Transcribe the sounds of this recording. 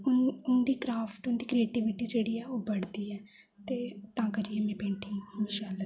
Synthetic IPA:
ʊnʊnd̪iːkɾaːpʰʈʊnd̪iːkɾieːʈiːʋɪʈiːd͡ʒeːɽiːɛːoːbəɽd̪iːɛː | t̪eːt̪ãːkəɾiːɛːmẽːpẽːɳʈʰiːmiːʃaːla

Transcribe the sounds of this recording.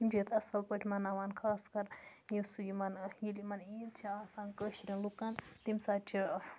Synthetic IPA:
d͡ʒet̪ɐsɐlpəʈʲʰmɐnaʋankʰaːskɐɾ | jisujimɐnjilimɐnjint͡ʃʰiaːsankəʃɾʲinlokant̪imsaːt͡ʃʰi

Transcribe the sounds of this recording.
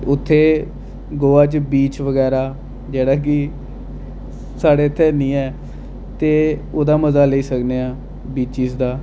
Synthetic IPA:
ʊt̪ʰːeː | ɡoːaːt͡ʃbiːt͡ʃʋəɡɛːɾaː | d͡ʒeːɽaːk̬ɪ | saːɽeːt̪ʰːeːnĩːɛː | t̪eːoːd̪aːməzaːləiːsəkneːaː | biːt͡ʃiːsd̪aː

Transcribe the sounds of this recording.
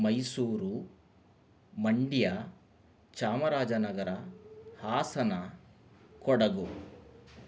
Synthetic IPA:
mɐjsuːɾu | mɐɳɖija | t͡ʃaːmɐɾaːd͡ʒɐnɐɡɐɾɐhaːsɐnɐ | kɔɽɐɡu

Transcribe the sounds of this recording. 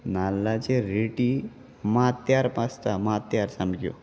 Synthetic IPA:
nalːat͡ɕeɾeʈi | mat̪ːjaɾpast̪amat̪ːjaɾsamkjo̰

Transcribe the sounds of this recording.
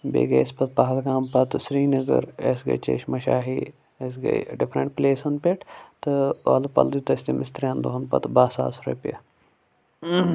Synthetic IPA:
bḛːɡɐspɐt̪̚paɦɐlɡaːmpɐt̪sɾiːnɐɡə̰ɾesɡɐ̰t͡ʃḛːʃmɐʃaːɦi | esɡɐ̰jɖɪpʰɾəɳʈ̚pleːsɐnpeʈt̪ɨʋa̰ːlupɐ̰ld̪ut̪ɐst̪imɪst̪ɾʲjãːnd̪oɦɐnpɐ̰t̪baːsa̰ːsɾḛpjɐ

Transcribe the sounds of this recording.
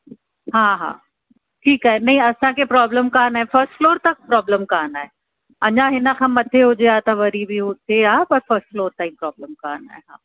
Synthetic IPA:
ɦãːɦã̰ː | ʈʰiːkaːɦenɐɦĩɐsãkʰepɾɔːbləmkaːnaːɦefɐɾsʈfloːɾt̪ɐk̚pɾɔːbləmkaːnaːe | ɐɲãɦɪnəkʰãːmɐd̪ʱeɦʊd͡ʑeaːt̪ɐʋɐɾibʱiɦʊt̪ʰeaːpɐɾfɐɾsʈfloːɾt̪ãĩmpɾɔːbləmkaːna̰ːɦeɦã̰ː

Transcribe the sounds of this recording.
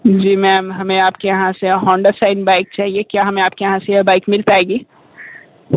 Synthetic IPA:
d͡ʒiːmɛ̃ːmɦɐmẽaːpkejɐɦãseɦɔ̃ːɳɖəɾsaːɪnbaːɪk̚t͡ʃaːɦiekjaːɦɐmẽaːp̚kejɐɦãsejɐbaːɪkmɪlpaːeːɡiː

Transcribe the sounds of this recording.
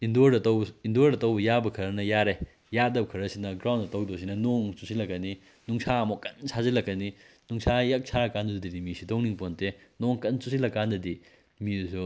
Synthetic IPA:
indoɾdɐtɐwindoɾdɐtɐwbɐjabɐkʰɐɾɐnɐjaɾe | jadɐp̚kʰɐɾɐsinɐɡɾawndɐtowdos̬inɐnoŋt͡ʃusilɐkːɐni | nuŋsʰaɐmokɐnsʰazilɐkːɐni | nuŋsʰajak̚sʰaɐkandɐdɐdidimisidowniŋpontenoŋkɐnt͡ʃusilɐkːandɐdi | miusu

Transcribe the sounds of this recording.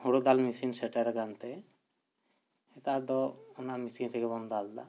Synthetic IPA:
huɽod̪almisinsɛʈaɾɡant̪ɛ | et̪ad̪ɔɔnamisint̪ʰɛkɛbɔnd̪ɔald̪a̰

